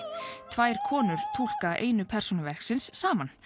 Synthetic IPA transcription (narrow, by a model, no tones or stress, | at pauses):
t̪ʰvaːjɾ̥kʰɔːnʏɾ̥t̪ʰuwl̥kaʔḛːjnʏpʰɛr̥sunʏvɛr̥ksɪnsːaːman